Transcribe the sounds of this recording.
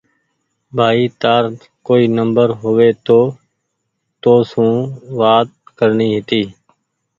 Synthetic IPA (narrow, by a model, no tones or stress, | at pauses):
bʱaːiːt̪aːɾ | koːiːnəmbəɾɦoʋeːt̪oː | t̪oːsũːʋaːt̪̚kəɾniːɦɪt̪iː